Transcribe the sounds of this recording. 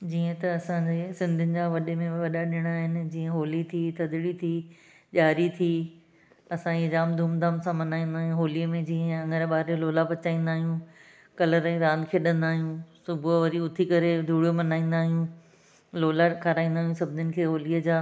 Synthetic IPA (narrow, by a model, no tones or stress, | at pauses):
d͡ʑiːə̃t̪ɐɐsãd͡ʑeːsɪ̃nd̪ʱʊnɪ̆d͡ʑaːʋɐɗemẽʋɐɗaɗɪɽ̃aɦɪnɪ̆d͡ʑiːə̃ɦoːlit̪ʰit̪ɐd̪ɪɽit̪ʰi | ʄaːɾit̪ʰi | ɐsãid͡ʑaːmd̪ʱuːmd̪ʱaːmsãmɐnaːĩːn̆d̪aːɦjũɦoːliəmẽd͡ʑiːə̃ɐ̃ŋɡəɾɓaːɾloːlapɐt͡ɕaːĩːn̆d̪aːɦijũ | kɐləɾɛ̃ɾãːnd̪ɪkʰeːɗɐ̃nd̪aːɦijũsʊbʱʋɐɾiʊt̪ʰikɐɾed̪ʱuːɽijomɐnaːĩːn̆d̪aːɦijũ | loːlakʰaɾaːĩːn̆d̪aːɦjũsɐbʱɪnɪnɪ̆kʰeːɦoːliəd͡ʑaː